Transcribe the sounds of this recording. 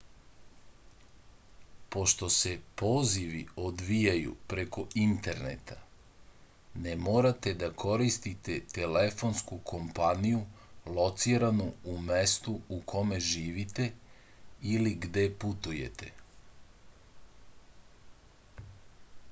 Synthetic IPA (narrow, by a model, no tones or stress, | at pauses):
po̞ʃt̪o̞se̞poːziʋḭod̪ʋijajṵpɾe̞ko̞int̪e̞ɾnḛt̪ʰa | nemoːɾat̪e̞d̪akʰo̞ɾist̪it̪e̞t̪e̞le̞fo̞nskukʰo̞mpanijulo̞t̪siɾanuume̞st̪uukʰo̞me̞ʒiːʋit̪e̞ | iliɡd̪e̞put̪uje̞̰t̪e̞